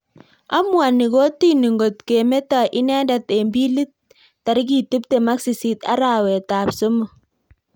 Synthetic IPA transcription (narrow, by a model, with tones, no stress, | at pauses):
a̰˦mwa˨ni˨ko˦ti˦ni˨ŋɡo˨tke˨me˦ta˨ʔi˦nɛ˦nda˨te˨mbi˦li˦t̚ː | a˨ɾi˦k̬i˦˨tu˦p̚te˨ma˦ksi˨si˨ta̰˦ɾa˨wɛ˨ta˨pso˦mo˦˨